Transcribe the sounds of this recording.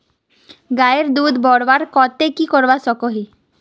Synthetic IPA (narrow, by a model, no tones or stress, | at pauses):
ɡaeɾd̪uːd̪bɔɽʋaɾkɔt̪ekikɔɾbasɔkoɦi